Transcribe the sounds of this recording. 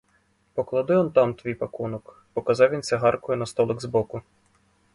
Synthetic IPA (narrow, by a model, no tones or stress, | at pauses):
pɔklˠɐd̪ɪʋɔnt̪ɑmt̪ʋʲijpɐkunɔk | pɔkɐzɑwʋʲinsʲɛɦɑrkɔjʊnɐst̪ɔlˠɪɡzbɔkʊ